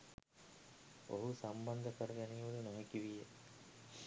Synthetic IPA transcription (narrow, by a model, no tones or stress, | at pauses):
oɦusamband̪əkəɾɐɡæniːʋulunoɦekiʋije